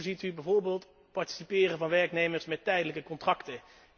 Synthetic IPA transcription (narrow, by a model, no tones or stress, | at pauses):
zitybɛjvoːɹbɪːlˠt | pɑɹti̥sipɪːrənvɑnʋɛɹknejməɹsmɛtːɛjdələkəkɔntrɑktə